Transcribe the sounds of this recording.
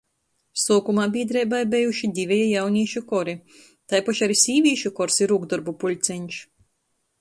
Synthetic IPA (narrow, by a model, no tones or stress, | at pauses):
suːkumaːbʲiːd̪ɾɛjbajbɛjuʃid̪ʲivʲɛjɛjawnʲiɛʃukɔɾi | t̪ajpaʃaɾisʲiːvʲiɛʃukɔɾsiɾuɡd̪ɔɾbupulʲt̪sɛɲʲʃ